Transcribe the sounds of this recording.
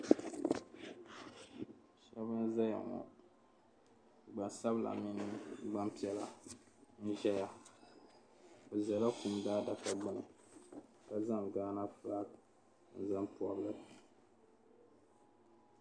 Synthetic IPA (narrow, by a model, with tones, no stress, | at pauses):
ʃɛ˦βɨ˦za˦ja̰˨ŋɔ̰˨ | ɡ͡ba˨nsa˦bla̰˨mi˦nɨ˦ɡ͡ba˦mpi˦ɛ˦la˨ | n̩˦ʒɛ˦ja˨ | o˨za˨la˦ku˦mdaː˦da˨ka˨ɡ͡bɨ˦nɨ̰˨ | ka˨za˦˨ŋɡaː˦na˦fa˦k | n̩˨za˦mpu˨a˨blɨ˨